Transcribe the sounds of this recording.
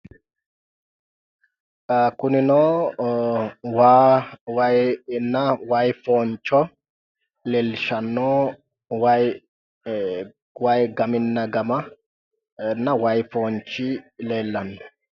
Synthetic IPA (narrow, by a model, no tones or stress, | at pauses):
kʊnɪnoː | waːwɐjnːɐwɐjfoːnt͡ʃːɔ | lɛlʃɐnːo | wɐj | wɐjɡɐmɪnːɐɡɐmɐ | nːɐwɐjfoːnt͡ʃːɪleːlːɐnːɔ